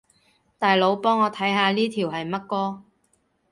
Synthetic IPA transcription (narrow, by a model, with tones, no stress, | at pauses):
t̪aː˨jlo˨˧wpɔː˥ŋɔː˨˧t̪ʰɐ˨˥jɦaː˨˧liː˥t̪ʰiː˨˩wɦɐ˨jmɐ˥t̚kɔː˥